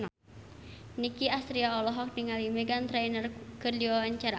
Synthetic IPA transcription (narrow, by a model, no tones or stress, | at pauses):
nikiast̪ɾiaɔlɔɦɔk̚niŋalimɛɡant̪ɾɛjnərkɨrdiwawaɲt͡ʃaɾa